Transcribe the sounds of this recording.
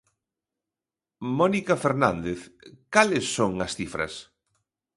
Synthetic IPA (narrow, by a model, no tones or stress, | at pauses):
mɔnikafeɾnãnd̪eθkalesːoŋɐsθifɾɐ̰s